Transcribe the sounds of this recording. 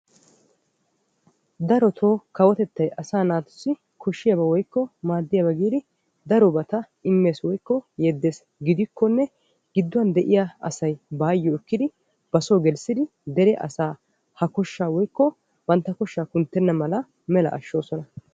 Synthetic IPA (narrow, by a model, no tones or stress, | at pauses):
d̪ɐɾɔt̪ʰo̞ːkɐwɔt̪ɛt̪ːɐjɐsaːnaːt̪ʊ̥sːɪ | kʰɔʃːɪjɐbɐwɔjkːɔmaːd̪ːɪjɐbɐɡiːd̪ɪ | d̪ɐɾɔbɐt̪ɐ | ɪmːe̞ːswɔjkːɔjɛd̪ːe̞ːs | ɡɪd̪ɪkʰːɔnːɛ | ɡɪd̪ːʊwɐnd̪ɛʔɪjaɐ̰sɐjbaːjːɔɪkːɪd̪ɪ | b̥ɐsoːɡɛlsɪd̪ɪ | d̪ɛɾɛʔɐ̰saː | hɐkɔʃːaːwɔjkːɔ | b̥ɐnt̪ːɐkɔʃːaːkʊnt̪ːɛnːɐmɐlɐ | mɛlɐ̰ʔɐʃːo̞ːsɔnɐ